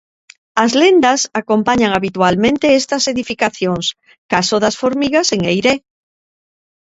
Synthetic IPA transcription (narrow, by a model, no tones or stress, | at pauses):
ɐzlend̪ɐsakompaɲaŋaβit̪ualmẽnt̪eest̪ɐseðifikaθjoŋs | kasoðɐsfoɾmiɣaseŋejɾe